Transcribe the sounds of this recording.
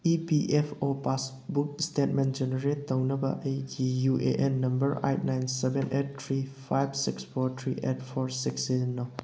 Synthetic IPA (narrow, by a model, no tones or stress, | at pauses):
ipiʔɛfopas | buk̚stɛt̚mɛ̃nd͡ʒɛnəɾetːəwnəba̰ʔejd͡ʒijuʔḛʔɛnːɐmbəɾa̰jt̚najnsɛbɛ̃nʔɛt̚ːʰɾifajbsiksfɔtʰɹiʔɛt̚fɔɹsiksenːa